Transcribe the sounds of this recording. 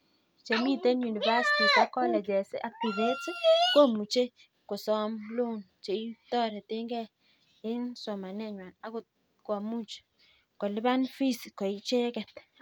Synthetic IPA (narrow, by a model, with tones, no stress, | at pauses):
t͡ʃe˨mi˦te˦nju˨ni˨va˦si̥˨ti˨sa˦kɔ˦lɛ˨d͡ʒɛ˨sɪ˦ʔa˦k̚ti˨ve˦ti˦ko˦mu˨t͡ʃe˦ | kʊ˨sɔ˦mlo˦˨nt͡ʃe˨i˦tɔ˦ɾɛ˨tɪ˦ŋɡɛ˦ | ɪ˦nsɔ˨ma˨nɛ˦ɲwa˨na˦kʊ˨ | kwa˨mu˦t͡ʃ | kɔ˨lɪ˦ba˦nfi˦si˨kɔ˨i˦t͡ʃe˦kɛ˨t